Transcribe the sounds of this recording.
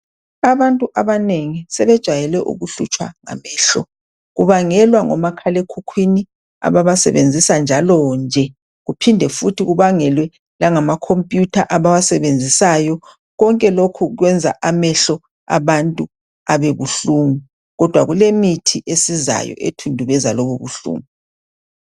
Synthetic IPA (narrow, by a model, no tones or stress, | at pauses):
aβantʼuʔaβaneŋisɛβɛd̥ʒ̥ʱajɛlɛʔṵɣuɬut͡ʃʼwa̰ŋa̰mɛːɬɔ | ɣuβaŋɛlwaŋɔ̰makʰalekʰukʰwini | a̰βaβasɛ̰βend͡zʱisand͡ʒʱalɔnd͡ʒʱɛ | ɣupʰindʱɛfutʰiɣuβaŋɛlwɛ | laŋamakʰompʼjutʰaʔaβaβasɛβend͡zʱisajɔ | ɣɔŋkʼɛlokʰuɣwɛnd͡zʱa̰ʔamɛɬɔ | a̰βantʼu | aβeβuɬuːmu | ɣɔd̥ʱwaɣulemitʰiʔesiza̰jɔ̰ʔḛtʰundʱuβɛzalɔβuβṵɬṵːŋu